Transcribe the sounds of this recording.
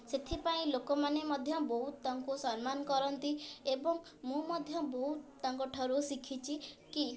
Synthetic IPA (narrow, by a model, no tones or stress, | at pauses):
set̪ʰipaĩlokɔmanemɔd̪ʱjɔbɔɦut̪ːaŋkusɔnmanɔkɔɾɔnt̪iebɔŋ | mũmɔd̪ʱjɔbɔɦut̪ːaŋkɔʈʰɔɾusikʰit͡ʃʰiki